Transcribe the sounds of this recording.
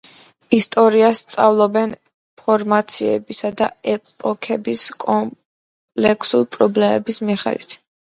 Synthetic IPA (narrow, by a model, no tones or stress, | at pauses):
ist̪ʼɔɾiasːt̪sʼavlˠɔbɛn | pʰɔɾmat̪sʰiɛ̰bisad̪aɛpʼɔkʰɛbiskʼɔm | pʼlɛkʰsuɾpʼɾɔblɛmɛbismiχɛ̰lḭt̪ʰ